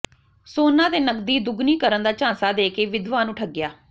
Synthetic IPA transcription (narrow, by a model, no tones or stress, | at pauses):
soːnãːt̪eːnəkd̪iːd̪ʊɡniːkəɾənd̪aːt͡ʃãːnsaːd̪eːkeːʋɪd̪ʋaːnʊʈʰəɡːjaː